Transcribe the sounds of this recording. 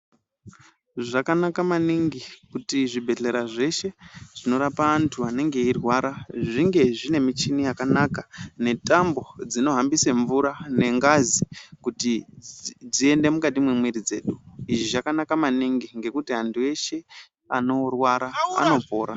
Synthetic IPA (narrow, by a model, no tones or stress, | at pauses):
ʐakanakamaniŋɡikutiʐibʱe̞ɮe̞ɾaʐe̞ʃe̞ʐ̥ino̞ɾapaːntʰuane̞ŋɡe̞irwaɾaʐiŋɡe̞ʐine̞mit͡ʃinijakanakane̞tambo̞d͡zino̞ɦambiseɱvuɾane̞ŋɡazikuti | d͡zie̞nde̞mukatimwemwiɾid͡ze̞̰ːɗuiʐiʒakanakamaniŋɡiŋɡe̞kutiɦantʰue̞ʃe̞ | ano̞rwaɾa̰ːno̞po̞ːɾa